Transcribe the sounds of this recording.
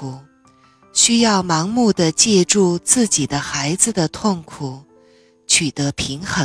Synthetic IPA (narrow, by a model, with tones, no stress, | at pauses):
u˨˩ | ɕy˥jɑ˥˩ʊmɑ˧˥ŋmu˥˩d̪ə˩t͡ɕjɛ˥˧ʈ͡ʂu˥˧t͡sɹ̩˥˩t͡ɕi˨˩d̪ə˦xa˧˥ɪd͡zɹ̩˧d̪ə˩t̪ʰʊ˥˩ŋkʰu˨˩˦ | t͡ɕʰy˨˩t̪ɤ˧˥pʰi˧˥ŋxə˧˥